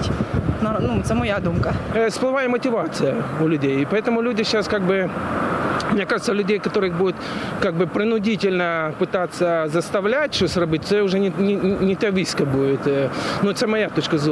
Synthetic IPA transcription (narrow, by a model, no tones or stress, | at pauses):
tʲnɐnut̪sɛmɐjad̪umkəsplˠɨvajɪmətʲɪvat̪sɨjəʊlʲʊdʲejɪpɐɛt̪əmʊlʲudʲɪɕːaskaɡ̚bɨ | mnʲekaʐɨt̪səlʲʉdʲejkɐt̪oɾɨxbudʲʊt̪kaɡ̚bɨpɾʲɪnʊdʲitʲɪlʲnəpɨt̪at̪sːəzəst̪ɐvlʲætʲʂosʲrɐbɨtʲt̪ɛʊʐɛnʲɪnʲɪnʲɪnʲɪt̪ɐvʲiskəbujʲɪt̪ənʊt̪səɛmɐjat̪ot͡ɕkəz